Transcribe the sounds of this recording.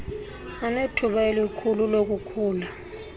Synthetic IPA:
anetʰuɓaelikʰululok̬ʼukʰuːla

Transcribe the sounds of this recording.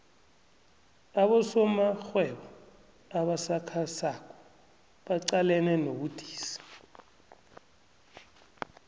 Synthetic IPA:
aɓɔsɔmaxwɛɓɔ | aɓasakʰasakʰʼɔ̥ | ɓaǀalɛnɛnoɓud̥ʱi̥ːsḁ

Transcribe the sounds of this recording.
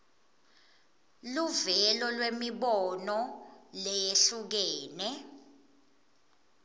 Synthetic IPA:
luvɛlɔlwemiɓɔnɔlɛjeɬuk̬ɛːnɛ

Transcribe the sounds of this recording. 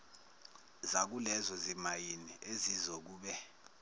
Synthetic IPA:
zak̬ulɛzɔzimajiniʔezizok̬uːɓɛ

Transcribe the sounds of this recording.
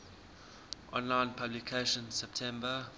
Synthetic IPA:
ʔɔ̰̃nlãɪ̃npʰablikʰeʃə̃nsɛp̚tʰɛ̃mbə

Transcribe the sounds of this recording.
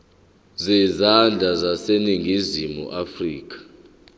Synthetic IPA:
zizand͡ɮʱazaseniŋɡʱizimṵʔafriːk̬ʼḁ

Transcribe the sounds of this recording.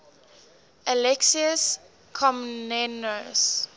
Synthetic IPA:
əlɛksiəs | kʰɔmnɛnos

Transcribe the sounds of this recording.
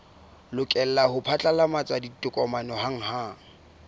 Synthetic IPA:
lʊkʼɛl̩lahʊpʰat͡ɬʼalamat͡sʼwaditʼʊkʼɔmanɔɦaŋ̩ɦa

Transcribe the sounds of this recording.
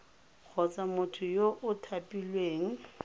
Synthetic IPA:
k͡xʰɔt͡sʼamʊtʰʊjoʔʊtʰapʼilweːŋ̩

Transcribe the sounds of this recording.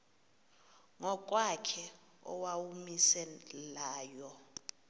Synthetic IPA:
ŋɔk̬ʼwakʰɛ | ɔ̰wawumisɛlaːjɔ

